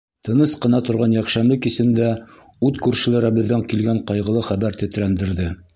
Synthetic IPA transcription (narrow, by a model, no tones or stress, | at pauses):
t̪ɤ̆nɤsqɤ̆nɑt̪ŏɾʁɑnjækʃæmlɘkisɘ̆nd̪æ | ʉt̪kʉɾʃɘ̆læɾæbɘ̆ðːæŋkilɡæɴqɑjʁɤ̆lˠɤχæβæɾt̪ɵ̆t̪ɾænd̪ɘ̆ɾðɘ